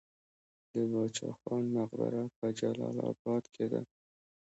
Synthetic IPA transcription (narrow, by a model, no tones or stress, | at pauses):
d̪əbɑt͡ʃɑ̰xɑnmaqb̪a̰ɾapad͡ʒalɑlɑbɑd̪kʰed̪a̰